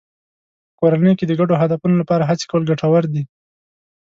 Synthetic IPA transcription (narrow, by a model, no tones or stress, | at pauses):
pəkoɾanəjked̪əɡaɖoɦad̪afunolapɑɾaɦat͡se̥kawəlɡaʈawaɾd̪i